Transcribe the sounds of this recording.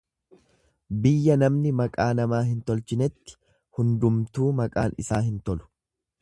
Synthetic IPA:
bɪjːɐnɐmnɪmɐkʼaːnɐmaːɦɪnt̪ɔlt͡ʃɪnɛt̪ːɪ̥ | hʊnd̪ʊmt̪uːmɐkʼa̰ːnɪ̰saːɦɪnt̪ɔlʊ̥

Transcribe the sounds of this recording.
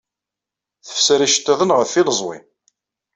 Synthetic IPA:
θə̥fsɾiʃt̪ːəðənʁəfiləzˤwḭ

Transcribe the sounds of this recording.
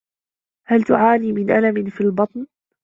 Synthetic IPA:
halt̪ʊʕaːniːmɪnʔa̰lamɪnfiːlbɑt̪ˤn

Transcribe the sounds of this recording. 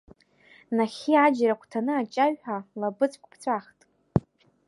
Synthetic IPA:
naχʲiad͡ʒɾakʷʰtʰanɨat͡ʃʼaɥħalabɨt͡sʰʷʼkʷʰʼpʰt͡sʷʰʼaχtʼ

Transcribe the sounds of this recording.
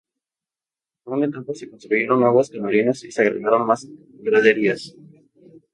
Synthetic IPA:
ond̪et̪amp̪oseko̞nst̪ɾuʝe̞ɾo̞nːwe̞βoskameɾinosiseaɣɾḛɣaɾonmas | ɡɾaleɾias

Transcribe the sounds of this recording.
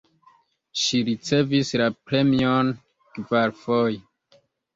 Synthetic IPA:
ʃiɾit͡se̞vislapɾe̞mion | kvaɾfoj

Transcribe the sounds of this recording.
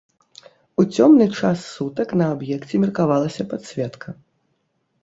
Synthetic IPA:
ut͡sʲɔmnɨt͡ʂasːut̪ɐknɐːbjɛkt͡sʲɛmʲirkavalˠɐsʲɐpɐt̪sʲvʲɛt̪kʰɐ

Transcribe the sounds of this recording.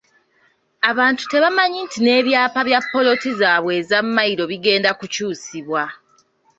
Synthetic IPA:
aβaːntu̥te̞βamaɲintine̞ːβjaːpaβjapːo̞lo̞tizaːβwe̞ːzamːaiɾo̞βiɡe̞ːndakucuːsiβwa

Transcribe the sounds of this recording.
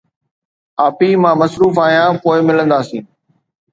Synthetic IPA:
aːpimãːməsɾuːfaːɦijãːpoːɪmɪlə̃nd̪aːsĩː

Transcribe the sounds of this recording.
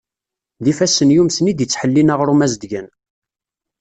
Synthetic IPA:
ðifæsənjumsənid̪ət͡sːħəlːinaʁɾumæzd̪ʝæn

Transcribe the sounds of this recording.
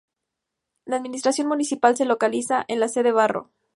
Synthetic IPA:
laːðmĩnist̪ɾasjo̞nmũnisipalse̞lo̞kalisaʔenlase̞ðe̞β̞aro̞̰

